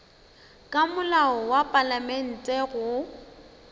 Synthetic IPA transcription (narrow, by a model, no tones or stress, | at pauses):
kʼamʊlaɔwapʼalamen̩tʼɛɣʊ